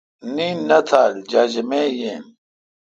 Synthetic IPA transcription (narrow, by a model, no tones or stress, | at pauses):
niːnːɐt̪ʰaːld͡ʑad͡ʑemeːjeːm